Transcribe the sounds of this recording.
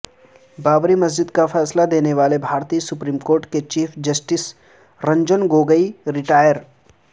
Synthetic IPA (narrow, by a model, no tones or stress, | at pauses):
baːbɾimɐzd͡ʒɪd̪kafʰɛːslad̪eːneʋaːlebʱaːɾt̪iːsʊpɾiːmkoːɾʈket͡ʃiːpʰd͡ʒɐsʈɪs | ɾɐ̃ɲd͡ʒənɡoːɡəiɾɪʈaːjəɾ